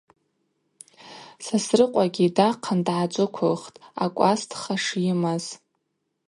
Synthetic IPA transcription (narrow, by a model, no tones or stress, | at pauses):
sasrɨqʷʼaɡʲidaqʰandʕat͡ʃʷʼʊkʷʰoχtʼa̰kʷʼastʰχaʂjɪmaz̥